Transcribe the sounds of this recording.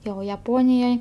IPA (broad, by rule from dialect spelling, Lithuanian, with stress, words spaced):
ˈjɛʊ jɛˈpoːnʲɪjoːj